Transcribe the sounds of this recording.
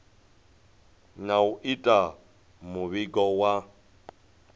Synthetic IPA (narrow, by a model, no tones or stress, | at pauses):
nauʔitʼa | muβiɡɔwa